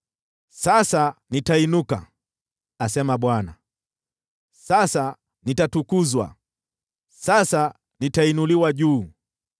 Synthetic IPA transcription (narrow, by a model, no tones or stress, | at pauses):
sasanitainuka̰ | asɛmaɓwana̰ | sasa | nitatukuzwa̰ | sasa | nitainuliwaʄuː